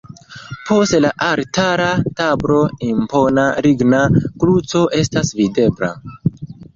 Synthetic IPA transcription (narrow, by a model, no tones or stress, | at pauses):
po̞stlaʔaɾtaɾatabɾo̞impo̞naɾiɡnakɾut͡so̞ʔe̞stasvide̞bla̰